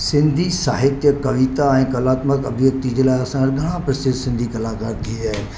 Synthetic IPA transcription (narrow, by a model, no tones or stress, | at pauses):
sɪ̃nd̪ʱisa̰ːɦɪt̪jəkɐʋit̪aɛ̃ːkɐlaːt̪məkɐ̰bʱjək̚t̪id͡ʑeːlaːɪɐsãɾɡʱɐɽ̃ãpɾɐsɪɾsɪ̃nd̪ʱikɐlaːkaːɾt̪ʰid͡ʑaːɦɪn̆